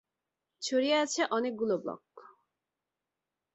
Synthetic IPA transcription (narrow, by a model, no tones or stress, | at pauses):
t͡ɕʰoɾieat͡ɕʰeʔɔnek̚ɡuloblɔ̰k